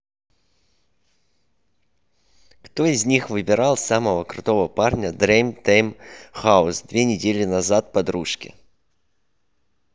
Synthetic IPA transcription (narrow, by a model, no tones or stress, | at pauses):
kt̪oɪzʲnʲixvɨbʲɪɾɑlˠsaməvəkɾʊt̪o̞vəparnʲəd̪ɾejmt̪ejmxaʊsd̪vʲenʲɪdʲelʲɪnɐzat̪̚pɐd̪ɾuʂkʲɪ̰